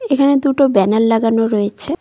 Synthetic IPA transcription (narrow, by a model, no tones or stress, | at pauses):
ekʰaned̪uʈobɛnalːaɡanoɾɔjet͡ɕʰe